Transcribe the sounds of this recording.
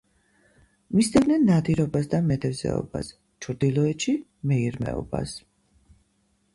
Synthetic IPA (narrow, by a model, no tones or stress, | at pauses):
misd̪ivdnɛnːad̪iɾɔbasd̪amɛd̪ʰɛvzɛ̰ɔ̰ba̰s | t͡ʃʰɾd̪ilˠɔɛt̪ʃimɛiɾmɛ̰ɔba̰s